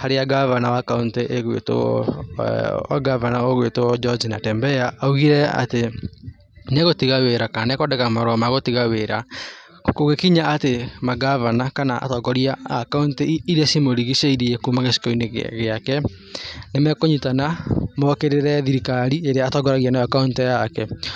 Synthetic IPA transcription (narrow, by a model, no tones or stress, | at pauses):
haɾeaɡavanawakaunteʔeɣwḛto̰ | a̰ɡavanaoɣwetod͡ʒɔd͡ʒinatɛmbɛaauɣiɾɛa̰te | neɣotiɣaweɾakanɛkɔdɛkamaɾɔmaɣotiɣaweɾa | koɣekiɲaːtemaɡavanakanaʔa̰tɔɡɔɾiaːkauntiɾeasimoɾiɣiʃaiɾiɛkumaɣesi̥kɔineɣeakɛ | nemɛkoɲutanamɔkeɾeɾɛðiɾikaɾieɾeaːtɔɡɔɾaɣianajakauntɛjakɛ